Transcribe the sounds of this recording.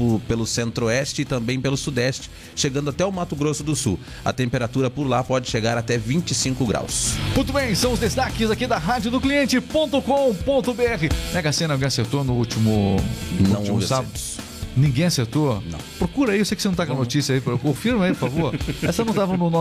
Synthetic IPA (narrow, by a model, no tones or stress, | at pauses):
ʊpelʊsẽnt̪ɾoɛst͡ʃɪːt̪ɐ̃mbẽj̃pelʊsud̪ɛst͡ʃɪ̥ | ʃeɡɐ̃nd̪ʊat̪ɛʊwmat̪ʊɡɾosʊd̪ʊsu | ɐ̰t̪ẽmpeɾat̪uɾɐpʊɾlapɔd͡ʒɪʃeɡaɾat̪ɛvĩnt͡ʃɪsĩŋkʊɡɾa̰wsmũjt̪ʊbẽj̃sɐ̃w̃ʊzd̪est̪akɪzakid̪ɐɦad͡ʒjʊd̪ʊkliẽnt͡ʃɪpõnt̪ʊkõpõnt̪ʊbeɛɦɪnɛɡasẽnɐwɡẽj̃aseɾt̪onʊut͡ʃimʊnɐ̃w̃ovasaɐʊ | nĩɡẽj̃ɐaseɾt̪onɐ̰̃w̃pɾokuɾɐiewsejkɪsenɐ̃t̪akõɐ̃not͡ʃisiɐipɾkõfiɾmɐipʊɾfavoɾɛsɐnɐ̃w̃t̪avɐ̃nʊnɔ